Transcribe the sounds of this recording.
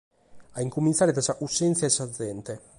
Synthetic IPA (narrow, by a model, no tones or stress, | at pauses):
aiŋkumint̪saɾet̪ɾasaʔusːɛnt̪sjaesad̪zɛnt̪e